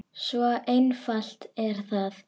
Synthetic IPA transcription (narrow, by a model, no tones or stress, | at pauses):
svɔejnfal̥t̪ɛɾ̥θað